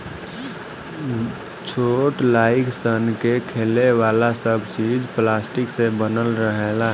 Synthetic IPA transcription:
t͡ʃʰoʈlaːɪksənkekʰeːleʋaːlasəbʱt͡ʃiːd͡ʒplaːsʈɪksebənəlɾəɦela

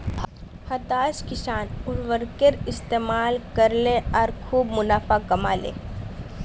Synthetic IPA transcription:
hɐt̪aːʃkɪʃaːnʊɽʋəɾkəɾɪst̪eːmaːlkəɾleɔːɾkʰuːbmʊnaːfakɐma̰ːlḛː

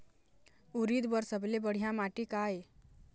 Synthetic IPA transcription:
uɾid̪bəɾsəblebəɽ̤ijãmaʈikae

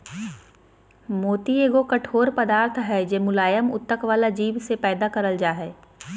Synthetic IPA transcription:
moːt̪ieːɡokɐʈʰoːɾpɐd̪aːɾt̪ʰɦɛd͡ʒeːmʊlaːjəmʊ̰t̪ːəkʋaːlad͡ʒiːʋsepɛːd̪akɐɾəld͡ʒaːɦɛː

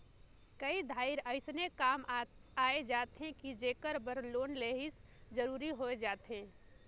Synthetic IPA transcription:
kəid̪ʱaːɪɾəɪsnekaːmaːed͡ʒaːt̪ɦẽkid͡ʒeːkəɾbəɾloːnleːɦɪsd͡ʒəɾuːɾiɦoed͡ʒaːt̪ɦẽː

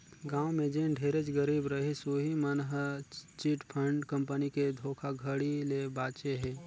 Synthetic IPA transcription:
ɡaːwmẽd͡ʒeɖʱeːɾet͡ʃɡəɾiːbɾəɦisoːɦimənɦət͡ʃiʈpʰə̃ɳɖkə̃mpəniked̪ʱoːkʰaɡʱəɽilebaːt͡ʃeɦɛ̃ː

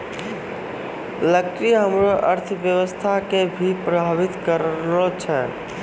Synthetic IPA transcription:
ləkːɾiɦəmɾoʔəɾt̪ʰbjəʋəst̪ʰakebʱipɾəbʱəbit̪kəɾot͡ʃʰɛ

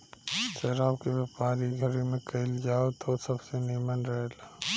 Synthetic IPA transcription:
ʃɛːɾaːbkeʋjaːpaːɾiɡʱəɾimẽkɐɪld͡ʒaːot̪ʰosɐbsenimənɾɐɦela

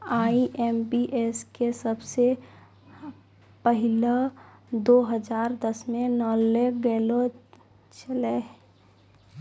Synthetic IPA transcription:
aːiʔembiʔeskesəbse | pəɦɪləd̪oːɦəd͡ʒaːɾd̪əsmẽnəleɡɛːlo | t͡ʃəle

